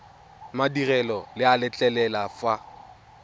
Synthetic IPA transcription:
madirɛlɔlɪalɪt͡ɬʼɛlɛlafa

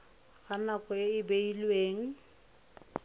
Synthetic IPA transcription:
ɣanakɔɪɪbeilweːŋ̩

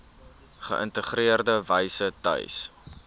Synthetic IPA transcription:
χəʔə̰ntəχriərdəvəjsətœ̰js

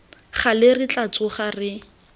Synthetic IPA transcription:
χalerɪt͡ɬat͡sʊχarɪ

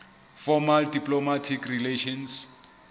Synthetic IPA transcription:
fɔmaldiplomatʰikrileʃɔns

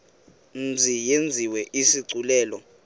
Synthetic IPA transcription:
n̩d͡zʱijend͡zʱiwɛʔisiǀulɛːlɔ

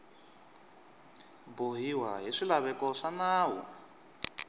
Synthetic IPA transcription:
boɦiwaɦiʂilaβɛkɔʂanaːwɔ̰

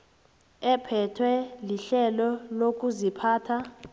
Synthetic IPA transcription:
ɛpʰɛtʰwɛliɬɛlɔlok̬ʼuzipʰaːtʰa

